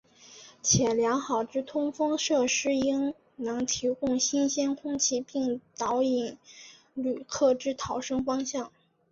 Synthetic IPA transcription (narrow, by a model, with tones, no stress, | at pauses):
t͡ɕʰjɛ˨˩ljɑ˧˥ŋxɑ˨˩ʊʈ͡ʂɻ̩˥˧t̪ʰʊ˥ŋfɤ˥ŋʂɤ˥˧ʂɻ̩˥i˥ŋ | nɤ˧˥ŋt̪ʰi˧˥kʊ˥˩ŋɕi˥nɕjɛ˥nkʰʊ˥ŋt͡ɕʰi˥˧pi˥˩ŋt̪ɑ˧˥ʊi˨˧˩n | ly˨˩kʰɤ˥˩ʈ͡ʂɻ̩˥˩t̪ʰɑ˧˥ʊʂɤ˥ŋfɑ˥ŋɕjɑ˥˩ŋ